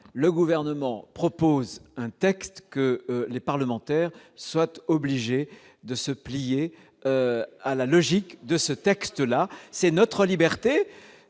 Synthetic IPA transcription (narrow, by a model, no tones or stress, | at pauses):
ləɡuvɛʁnəmɑ̃pχɔpozɛ̃t̪ɛkst̪kəlepaʁləmɑ̃t̪ɛʁswat̪ɔbliʒe | d̪əsəplije | øalalɔʒikd̪əsət̪ɛkst̪lasɛnɔt̪χəlibɛʁt̪e